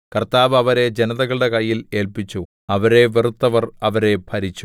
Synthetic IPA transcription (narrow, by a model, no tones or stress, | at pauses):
kɐrt̪aːʋɐʋɐɾe̞d͡ʑenɐðɐɣɐɭɨɽe̞kɐjːile̞ːlpit͡ɕːu | ɐʋɐɾe̞ʋirut̪ːɐʋɐrɐʋɐɾe̞pʰɐɾit͡ɕːu